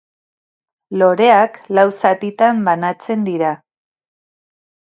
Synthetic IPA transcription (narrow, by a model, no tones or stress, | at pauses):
lo̞ɾe̞aklawsat̪it̪ambanat͡se̞nd̪iɾa